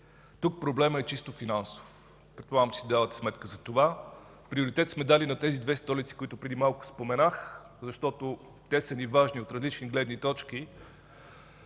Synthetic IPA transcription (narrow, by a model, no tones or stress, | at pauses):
t̪uk̚pɾoblɛməɛt͡ʃist̪ofinanso̥f | pɾɛt̪̚polˠaɡəmt͡ʃi̥sid̪avət̪ɛ̥smɛt̪kəzɐt̪ova | pɾioɾit̪ɛt̪smɛd̪alinɐt̪ɛzid̪vɛst̪ɔlit̪si̥kʊit̪ʊpɾɛd̪imalˠkʊ̥spomɛnax | zɐʃt̪ɔt̪o | t̪ɛsənivaʒniot̪ɾɐzlit͡ʃniɡlɛd̪nit̪ɔt͡ʃk̟i